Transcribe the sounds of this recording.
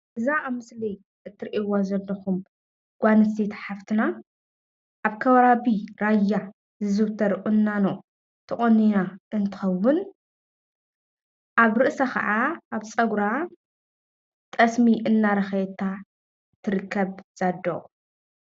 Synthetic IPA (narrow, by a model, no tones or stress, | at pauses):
ʔɨzaːβmɨslij | ʔɨt̪ʰːɨɾʔiwazɐlːɐxum | ɡ̥ʷanɨsʰet̪ʰħaft̪ʰɨna | ʔaβkʰɐβɾaβiɾajːa | zɨzɨβt̪ʰɐɾʔʼunːano | t̪ʰɨχʼoninaʔɨnt̪ʰɨ̥xɐwːʊn | ʔaβɾɨʔsakʰɐ̰ʕaʔaβt͡sʼɐɡɾa | t̪ʼɐsmiʔɨnːaɾɐxjɛt̪ʰa | t̪ʰːɨɾɨkʰːɐβz̥ad̪ːo̰